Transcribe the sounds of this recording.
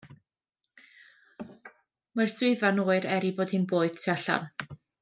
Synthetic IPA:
marswɨɨðvanoːɨɾɛɾiboːd̥hɨnboːɨð̥tʰaɬa̰n

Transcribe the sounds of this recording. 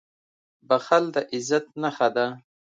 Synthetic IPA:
baxald̪aʔɪzat̪̚naxad̪a

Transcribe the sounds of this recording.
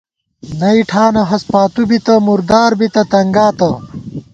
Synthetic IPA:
nɐiʈʰaːnɐɦɐspaːt̪ubit̪ɐmuɾd̪aːɾbit̪ɐt̪ɐŋɡaːt̪ɐ

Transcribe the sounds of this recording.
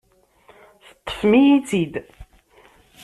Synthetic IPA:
θə̥t̪ˤːə̥fmijit͡sːid̪

